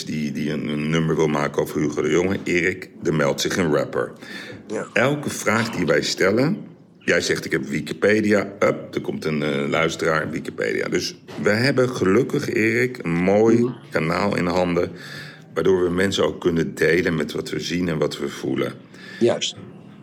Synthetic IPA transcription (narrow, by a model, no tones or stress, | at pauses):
didiənənːɵməɹʋɪlˠmaːkənowvəɹyχədəjoŋəʔɪːrɪkdəɹmɛlˠtsɪχənɹɛpə̰ɹ | ɛlˠkəv̥raːχdiʋɛjstɛlən | jɛjzɛχtɪkɦɛpʋiki̥pejdijaəp̚dəɹkɔmtənlœɥstəraːɹʋikipḛjdḭa̰ːdɵsʋəjɦɛbənχəlɵkəχɪːrɪkə̰nmoːjkana̰ːlˠɪ̰ndəɦɑndə | ʋaːɹdʊːɹʋəmɛnsəno̰wkːɵnədejlənmɛtʋɑtʋəzinɛnʋɑtʋəv̥ṵlə̰